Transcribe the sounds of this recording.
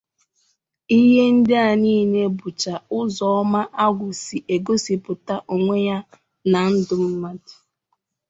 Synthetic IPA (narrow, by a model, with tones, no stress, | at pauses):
i˦ɦe˦n̩˦dɪ˦a˨niː˦˨ne˦bʊ˨t͡ʃa˨ʊ˦zɔ˦ɔ˦ma˦ʔa˦ɡʷʊ˨si˨ʔe˨ɡo˦si˨pʊ˨ta˦ʔo˨ŋʷe˦ja˦ | na˨n̩˦dʊ˨m̩˦ma˦dɪ̥˨